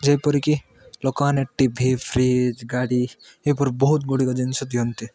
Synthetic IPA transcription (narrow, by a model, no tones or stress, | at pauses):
d͡ʒeipɔɾiki | lɔkaneʈːibʱipʰɾid͡ʒɡaɽi | epɔɾbɔɦut̪̚ɡoɽikad͡ʒensɐt̪iont̪i